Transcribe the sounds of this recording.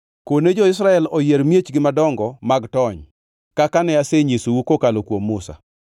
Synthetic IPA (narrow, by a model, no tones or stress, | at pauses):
koned͡ʒɔɪsɾaɛlɔjeɾmjet͡ʃɡɪmadɔŋɡɔmaɡtɔɲ | kakanɛaseɲesowukokalokwomːʊsa̰